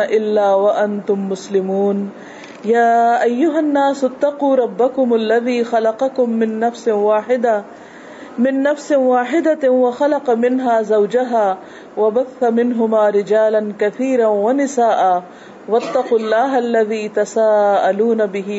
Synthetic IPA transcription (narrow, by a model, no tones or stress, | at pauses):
ʔɪlːaːwɐʔɐnt̪ʊmːʊslɪmuːn | jaːʔajːʊɦanːaːsʊt̪ːɑquːɾˤɑbːakʊmalːɐðiːxalɑqɑkʊmːɪnːɐfsɪwaːħɪd̪a | mɪnːɐfsɪwaːħɪd̪awɐxalɑqɑmɪnɦaːzawd͡ʒaɦaː | wɐbaθːamɪnɦʊmaːɾɪd͡ʒaːlɐnkɐθiːɾawanɪsaːʔaː | wɐt̪ːɑquːlːaːɦalːaðiːt̪ɐsaːʔaluːnabɪɦɪ